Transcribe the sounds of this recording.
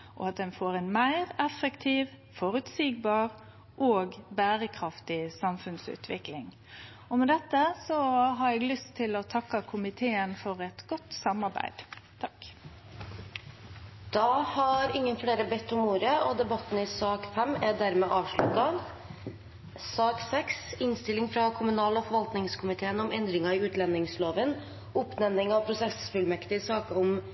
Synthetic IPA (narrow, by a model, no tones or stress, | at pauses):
ʔɔ̰ɑt̪̚d̪ɛnfoːɾɛnmæɪʁɛfəkt̪ʰiːʋ | fɔɾʉt̪siːɡbɑːʁ | ʔoːɡbæːɾəkʰɾɑft̪ɪsɑmfʉnsʉ̰ːt̪ʰʋɪklɪŋ | ɔmɛd̪ɛt̪ːəsɔɦɑːɾɛːɡlʏst̪ʰːɪlɔt̪ʰɑkːɑkʰʊmɪt̪ʰeːənfɔɾɛt̪ɡ̥ɔt̪ːsɑmɑɾbæ̰ɪd̪̥t̪ʰɑ̥k | d̪̥ɑhɑɾɪŋːənfɽeːɾəbɛt̪ːɔmuːɾəɔd̪ɛbɑt̪ːn̩ɪsɑːkfɛmːæɖ̪æɾmɛːʔɑːʋʂɭʉt̪ːɑ | sɑːksɛksɪnst̪ɪlɪŋfɾɑkʰʊmʉnɑːlɔfɔɾʋɑlt̪nɪŋskʰʊmɪt̪ʰeːənɔmɛnd̪ɾɪŋɑɪʉːt̪lɛnɪŋsloːʋən | ʊpnɛnːɪŋɑʋpʰɾʊsɛsfʉlmɛkt̪ɪsɑːkɔm